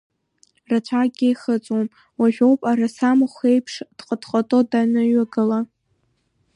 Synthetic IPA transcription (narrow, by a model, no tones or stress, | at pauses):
rat͡ʃʷʰaɡʲejχət͡sʼwom | waʒʲᶣo̞wpʼaɾasamχʷejpʰʂd̥qʼədχʼatʼodanɨɥaɡɨla